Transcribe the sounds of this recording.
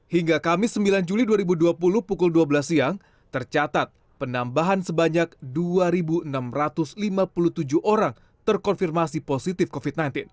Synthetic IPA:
hiŋɡakamɪsːəmbiland͡ʒuliduaɾibuduapulʊhpukʊlduabəlasiaŋ | t̪ərt͡ʃat̪at̪̚ | pənambaɦansəbaɲak̚duaɾibuənamrat̪ʊslimapulut̪ud͡ʒuhʔoɾaŋ | t̪ərkɔnfirmasiposit̪ɪfkofit̪̚najnt̪ɪn

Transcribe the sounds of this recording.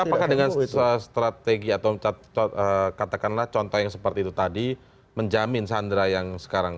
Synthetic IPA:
apakahdəŋanəst̪ɾat̪eɡiat̪aw | əkat̪akanlaht͡ʃɔnt̪ɔhjaŋsəpərt̪iːt̪ut̪adi | məɲd͡ʒamɪnsandɾajaŋsə̥kaɾaŋ

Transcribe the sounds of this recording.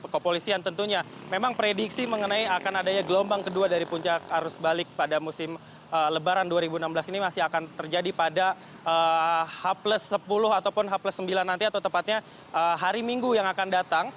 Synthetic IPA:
kəpolisiant̪ənt̪uɲamemaŋpɾediksiməŋənaiakanadaɲaɡəlombaŋkəduadaɾipuɲt͡ʃakhaɾʊsbalɪk̚padamusɪm | ələbaɾanduaɾibunambəlasinimasɪɦakant̪ərd͡ʒadipada | əhapləsːəpulʊɦat̪awpʊnɦapləsːəmbilanːant̪iat̪awt̪əmpat̪̚ɲa | əɦaɾimiŋɡujaŋakandat̪aŋ

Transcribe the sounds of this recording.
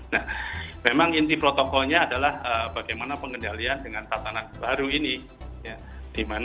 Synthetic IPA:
nahmemaŋint̪ipɾot̪okɔlɲaːdalahəbaɡajmanapəŋɡəndaliandəŋant̪asanat̪̚baɾuini | ja | d̥iman

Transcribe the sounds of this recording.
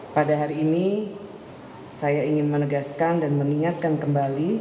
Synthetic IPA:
padaɦaɾiːni | sajaiŋɪnmənəɡaskandanməniŋat̪̚kankəmbali

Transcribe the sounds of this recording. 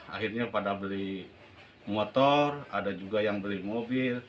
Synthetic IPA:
a̰ɦirɲapadabəli | mot̪ɔradad͡ʒuɡajaŋbəlimobil

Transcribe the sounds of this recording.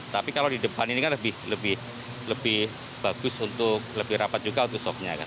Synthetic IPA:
t̪apikalawdidəpaninikanləbɪhləbɪh | ləbɪh | b̥aɡ̥ʊsunt̪ʊk̚ləbɪhɾapat̪̚d͡ʒuɡaunt̪ʊksɔk̚ɲa̰ka̰n

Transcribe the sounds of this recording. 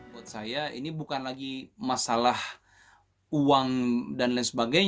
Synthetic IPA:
at̪̚sajaḭnibukanlaɡimasalah | uwaŋdanlansəbaɡajɲ

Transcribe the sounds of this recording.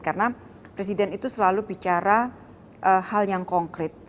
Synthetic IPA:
karəna | pɾes̬idɛnit̪usəlalubit͡ʃaɾa | ʔəhaljaŋkɔŋkɾɪt̪̚

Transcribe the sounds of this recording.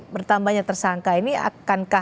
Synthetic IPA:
bərt̪ambahɲat̪ərsaŋkainia̰kanka

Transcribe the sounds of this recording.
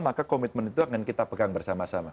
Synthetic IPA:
makakomit̪̚mənit̪uaŋankit̪apəɡaŋbərsamasama

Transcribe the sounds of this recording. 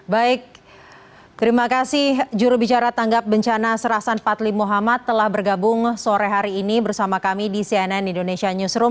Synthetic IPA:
baɪk̚ | t̪əɾimakasɪhd͡ʒuɾubit͡ʃaɾat̪aŋɡap̚bəɲt͡ʃanasəɾasanpat̪limoɦamat̪ːəlahbərɡabʊŋsoɾɛɦaɾiːnibərsamakamidisiɛnɛnindonesiaɲusɾum

